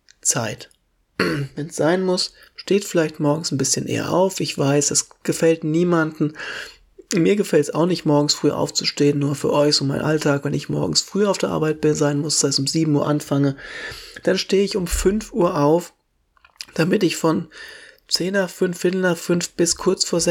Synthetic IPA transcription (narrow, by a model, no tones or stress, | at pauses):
t͡sa̰ɪt | vɛnsz̥aɪnmʊs | ʃteːtfɪlaɪçtmɔɐɡŋ̩sn̩bɪsçənʔḛːɐ̰ʔa̰ʊfɪçv̥aɪsd̥asɡ̥əfɛltniːmandn̩ | miːɐɡəfɛltsa̰ʊxnɪçtmɔɐɡŋ̩sfʁ̥yːʔa̰ʊft͡su̥ʃteːənːuːɐfyːɐʔɔʏçz̥oːmaɪnʔa̰ltʰaːkv̥ɛnɪçmɔ̰ɐɡŋ̩sfʁ̥yːaʊfd̥eːɐʔa̰ɐbaɪt̚b̥ɪnzaɪnmʊssaɪstʊmziːbm̩uːɐʔanfaŋəd̥anʃteːəɪçʊmfʏnfʔuːɐʔaʊf | d̥amɪtɪçfɔnt͡seːnafʏnfɪn̩nafʏnfb̥ɪskʰʊɐt͡sfoːɐzɛ